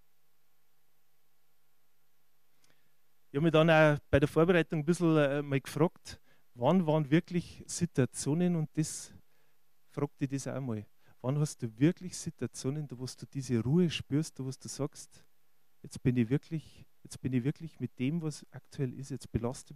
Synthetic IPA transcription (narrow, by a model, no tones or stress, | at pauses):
ʔɪçhɑbmiːədɑnaːb̥aɪɾəɐfoːɐbeʁaɪtʊŋəbɪzl̩mɔlɡfʁɑːkt | vɑnvɑnvɪɐklɪçsituat͡sjoːnənʊnt̚d̥es | fʁɑːk̚tidesa̰ʊəmɔl | vɑnhɑst̚d̥uːvɪɐklɪçsituat͡sjoːnəndovostd̥uːd̥iːzeʁuːəʃpyːɐst̚d̥ovosd̥uːsɑkst | jɛt͡sb̥ɪnivɪɐklɪçjɛt͡sb̥ɪnivɪɐklɪçmɪt̚d̥eːmvɑsʔaktʰuɛlʔɪ̰sjɛt͡sb̥elɑstə